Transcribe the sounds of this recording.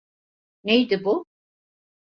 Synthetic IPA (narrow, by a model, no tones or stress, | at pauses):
nejd̪ɪbu